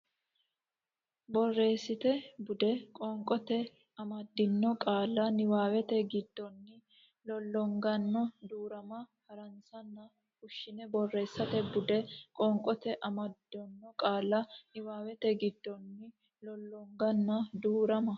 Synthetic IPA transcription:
bɔrːe̞ːsːɪt̪ɛbʊd̪ɛkʼɔŋkʼɔt̪ɛ | ɐmɐd̪ːɪnːɔkʼaːlːɐnɪwaːwɛt̪ɛɡɪd̪ːɔnːɪ | lɔlːɔŋɡɐnːɔd̪uːɾɐmɐhɐɾɐnsɐnːɐ | hʊʃːɪnɛbɔrːe̞ːsːɐt̪ɛbʊd̪ɛkʼɔŋkʼɔt̪ɛʔɐmɐd̪ːɔnːɔkʼaːlːɐnɪwaːwɛt̪ɛɡɪd̪ːɔnːɪ | lɔlːɔŋɡɐnːɐd̪uːɾɐmɐ

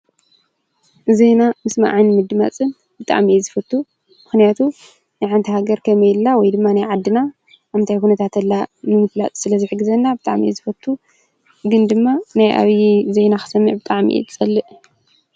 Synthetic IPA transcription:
zejnamɨsma̰ʕajnmɨd̪ɨma̰t͡sʼɨn | bɨt̪ʼa̰ʕmiʔzɨfɐt̪ʰːu | mɨxnijat̪ʰu | najʕant̪ʰihaɡɐɾkʰɐmɐjlːawɔjd̪ɨmːanajʕad̪ːɨna | amnt̪ʰajkunɐt̪ʰat̪ɐlːanɨmɨfla̰t͡sʼsɨlɐzɨħɨɡːɨzɐnːabɨt̪ʼa̰ʕmḭḭzɨfɐt̪ʰːu | ɡɨnd̪ɨmːanajʔa̰βizejnaxɨ̥sɐmːɨʕbɨt̪ʼaʕmḭʔḭt̪ʰɨt͡sʼɐlːɨʔ

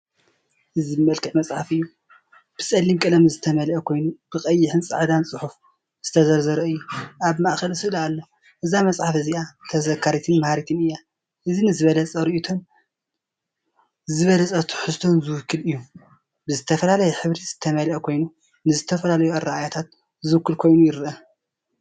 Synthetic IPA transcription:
ʔɨzibmɐlkʼɨʕmɐsʼħafɨjːu | b̥ɨsʼɐlːimkʼɨlɐmzɨt̪ʰɐmɐlʔɐkʰo̞jnub̥ɨkʼɐjːɪħɨnsʼa̰ʕd̪ansʼɨħuf | z̥ɨt̪ʰɐzɐɾzɐɾɐɨjːuʔaβmaʔxɐlsɨlalːo | ʔɨzamɐsʼħafɨziat̪ʰɐzɐkʰːaɾit̪ʰɨnmahaɾit̪ʰɨnɨjːa | ʔɨzinɨzɨβɐlɐt͡sʼɐɾiʔut̪ʰo̞n | zɨβɐlɐt͡sʼɐt̪ʰu̥ħɨst̪ʰo̞nzɨwʊkʰːɨlɨjːu | bɨzɨt̪ʰɐfɐlalɐjɛħɨβɾiz̥ɨt̪ʰɐmɐlʔɐkʰo̞jnu | nɨzɨt̪ʰɐfɐlalɐjuɐɾaajat̪ʰat̪̚ | zɨwɨkːɨlkʰo̞jnujɪɾɨʔɐ

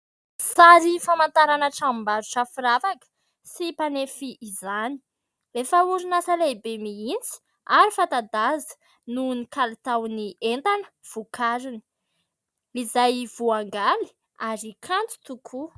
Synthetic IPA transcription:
saɾifamant̪aɾanəʈ͡ʂambaɾuʈ͡ʂafiɾavakə̥ | sipanefiʔːzani̥ | lefauɾinasalejbemiint͡si̥ | aɾifat̪ad̪azə̥ | nunikalit̪awnient̪anə̥ | v̥ukʰaɾini̥ | izajv̥uaŋɡali̥ | aɾikʰant͡s̪u̥t̪ukʰu

